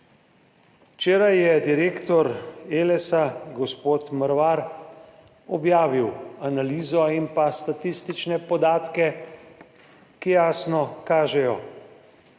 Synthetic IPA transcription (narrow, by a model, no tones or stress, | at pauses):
wt͡ʃeːɾajːɛd̪iɾeːkt̪ɔɾeːlɛsaɡɔspoːt̪məɾʋaɾ | ɔbjaːʋiwanaliːzɔimpast̪at̪ist̪it͡ʃnɛpɔd̪aːt̪kɛ | kijaːsnɔkaːʒɛjɔ